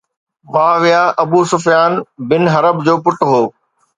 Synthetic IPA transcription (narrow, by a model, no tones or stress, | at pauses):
ʋãːʋijaːʔɐbuːsʊfjaːnbɪnɦɐɾəbd͡ʑoːpʊʈɦoː